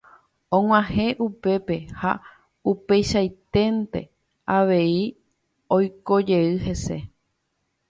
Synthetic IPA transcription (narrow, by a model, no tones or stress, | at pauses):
õŋʷãhẽ̞ʔupe̞pe̞ha | upe̞jʃajt̪e̞nt̪e̞̰ | aʋe̞i | ojko̞d͡ʒe̞ɨɦe̞se̞